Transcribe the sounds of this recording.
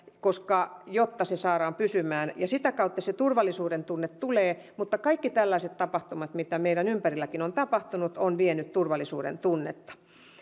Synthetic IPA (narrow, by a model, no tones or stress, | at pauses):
koskɑjot̪ːɑsesɑːɾɑːmpysymæːnjɑsit̪ækɑut̪ːɑset̪urʋɑlːˑisuːɾent̪unːet̪t̪uleː | mut̪ːɑkɑikːit̪ælːæiset̪t̪ɑpɑht̪umɑt̪mit̪æmeiɾænympærilːækinont̪ɑpɑht̪unut̪onʋienyt̪t̪urʋɑlːˑisṵːɾḛnt̪unːḛt̪ːɑ̥